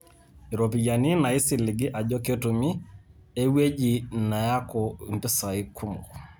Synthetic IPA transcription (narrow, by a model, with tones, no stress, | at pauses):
i˨ɾo˨p̬i˨ja˨ni˦na˨i˦si˨lɪ˨ɡɪ˦ʔa˨d͡ʒɔ˦ke˦tu˨mi˦ | e˦we˦d͡ʒi˨na˨ja˦kɔ˨nti˦sa˨i˦kʰu˦mo̰˨